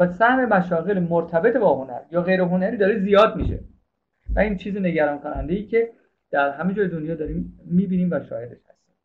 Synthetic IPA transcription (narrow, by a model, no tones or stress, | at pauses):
væsæhme̞mæʃɒːɣe̞lmoɾt̪ʰæbe̞t̪ʰebɒːɦonæ̰ɾjɒːɣe̞jɾeɦonæɾiːd̪ɒːɾezijɒːd̪̚miʃḛ | væiːnt͡ʃʰiːzeneɟæɾɒːnkʰonænd̪ejiːcʰe̞ | d̪̥æɾɦæmed͡ʒɒːjed̪onjɒːd̪ɒːɾiːmːiːbiːniːmvæʃɒ̰ːjed̪e̞ʃhæ̰st̪i̥ːm